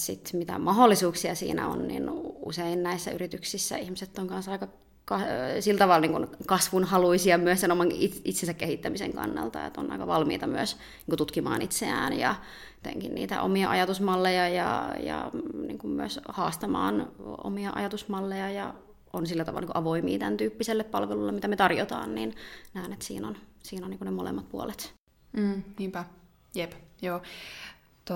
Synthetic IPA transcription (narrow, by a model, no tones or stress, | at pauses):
sit̪mit̪æ̰mɑɦolːisuːksiɑsḭːnæ̰o̰nnḭnṵseinnæisːæyrit̪yksisːæ̰ihmiset̪ːoŋkɑnsɑikɑ | kɑsilt̪ɑʋɑlniŋkunkɑsʋunhɑluisiɑmyøssenomɑŋiit̪sensækkehit̪ːæmisḛŋkɑ̰nːɑ̰lt̪ɑ̰ḛt̪o̰nɑ̰ikɑʋɑlmḭːt̪ɑmyøs | niːŋkut̪ut̪kimɑ̰ːnit̪seæːnjɑ | et̪ḛŋkinniːt̪æ̰ʔo̰miɑʔɑjɑt̪usmɑlːejɑjɑ̰jɑ̰nḭːŋkummyøshɑːst̪ɑmɑ̰ːno̰miɑʔɑ̰jɑt̪usmɑlːejɑjɑ | ʔonsilːæt̪ɑʋɑlːɑniːkuʔɑʋoimḭːt̪ænt̪yːpːiselːeppɑlʋelulːemit̪æmet̪ɑrjot̪ɑ̰ːnninnæːnet̪sḭːnonsiːnoniːkunnemolḛmːɑt̪̚puolet̪̩ː | niːmpæ | jepjoː | t̪o